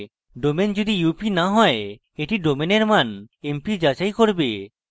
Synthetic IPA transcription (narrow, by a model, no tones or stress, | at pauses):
ɖomend͡ʒod̪ijupinaɦɔe | eʈiɖomeneɾmanempid͡ʒad͡ʒajkoɾbe